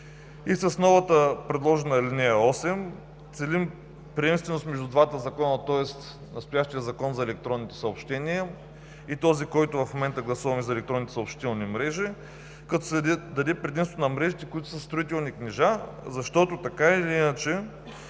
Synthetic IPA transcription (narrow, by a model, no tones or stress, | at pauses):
isəsnɔvət̪əpɾɛd̪lˠɔʒɛnɐɛlinɛɐɔsɛm | t̪sɛlim | pɾʲiɛmst̪vɛnost̪mɛʒd̪ud̪vat̪əzɐkɔnət̪ɔɛst̪ | nɐst̪ʊjaʃt̪ijəzɐkɔnzɐɛlɛk̚t̪ɾɔnːit̪ɛ̥sɐopʃt̪ɛniə | it̪ɔzikɔjt̪ʊvɐfmomɛnt̪əɡlˠɐsuvɐmizɐɛlɛk̚t̪ɾɔnːit̪ɛ̥sɐopʃt̪it̪ɛlˠnimɾɛʒi | kɐt̪ɔsd̪ɐd̪ɛpɾɛd̪imst̪nɐmɾɛʒit̪ɛkʊit̪ʊ̥səst̪ɾoit̪ɛlˠniknɛʒa | zɐʃt̪ɔt̪ot̪ɐkailiinət͡ʃɛ